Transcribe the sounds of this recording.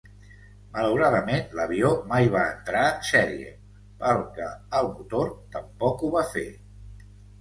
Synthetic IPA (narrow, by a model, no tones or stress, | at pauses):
mələwɾaðəmenləβiomajβ̞aənt̪ɾasɛɾiḛ | pəɾkəəlˠmut̪oɾt̪əmpɔkuβafḛ